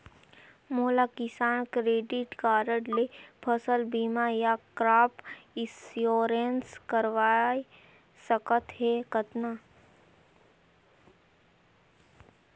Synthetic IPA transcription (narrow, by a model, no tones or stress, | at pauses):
moːlakɪsaːnkɾeːɖɪʈkaːɾəɖlepʰəsəlbiːmajakɾaːpɪsjoːɾenskəɾʋaːi | səkət̪ɦekət̪na